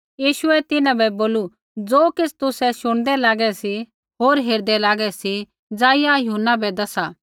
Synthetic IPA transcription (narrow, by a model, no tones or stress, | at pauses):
jiːʃʊɛt̪ɪnãbɛboːlu | d͡zoːkɪt͡sʰt̪ʊsɛʃʊɽ̃d̪ɛlaːɡɛsi | ɦoːɾɦeːɾd̪ɛlaːɡɛsi | d͡zaːijajʊɦunːabɛd̪ɐsaː